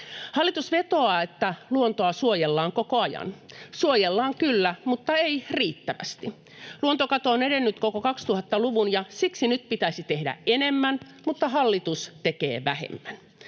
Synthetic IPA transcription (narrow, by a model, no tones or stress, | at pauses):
hɑlːit̪usʋet̪o̞ɑːet̪ːæluont̪oɑsuojelːɑːŋkokoɑjɑ̰nsuojelːɑːŋkylːæmut̪ːɑeiriːt̪ːæʋæ̰st̪i | luont̪okɑt̪oːneɾenːyt̪kokokɑkst̪uhɑt̪ːɑluʋunjɑsiksinyt̪pit̪æisit̪ehdæ̰ʔenemːæn | mut̪ːɑɦɑlːit̪ust̪ekḛːʋæhḛmːæn